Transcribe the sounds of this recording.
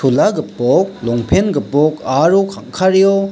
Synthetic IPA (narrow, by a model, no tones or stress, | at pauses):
ulaɡɯpɔk̚lɔŋpʰenɡɯpɔkaɾokʰaŋkʰaɾjo